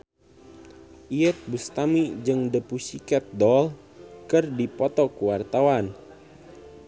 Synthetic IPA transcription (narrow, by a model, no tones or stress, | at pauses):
ʔiət̪̚bust̪amid͡ʒɨŋdəpusikɛt̪̚dɔl | kɨrdipɔt̪ɔkuwart̪awan